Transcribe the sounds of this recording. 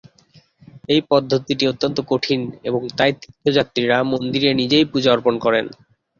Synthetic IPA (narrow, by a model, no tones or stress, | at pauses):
ejpɔd̪ʱːot̪iʈiot̪ːont̪okoʈʰinḛboŋt̪ajt̪it̪ʰːod͡ʑat̪ːɾiɾamond̪iɾenid͡ʑejpud͡ʑaɾponkɔɾen